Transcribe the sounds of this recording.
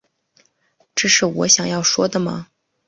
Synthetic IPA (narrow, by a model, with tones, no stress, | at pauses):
ʈ͡ʂɤ˥˩ʂɻ̩˥˩wɔ̰˧˥ɕjɑ˨˩ŋjɑ˥˩ʊʂwɔ˥d̪ə˨mɐ̰˩